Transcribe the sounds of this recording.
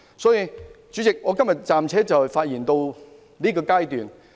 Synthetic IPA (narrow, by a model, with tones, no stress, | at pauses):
sɔː˨˥jiː˧t͡ʃyː˨˥t͡sɪ˨k̚ŋɔː˨˧kɐ˥mjɐ˨t̚t͡saː˨˩mt͡sʰɛː˨˥t͡sɐ˨wfaː˧t̚jiː˨˩nt̪o˧w | liː˥kɔː˧kaː˥jt̪yː˨˩n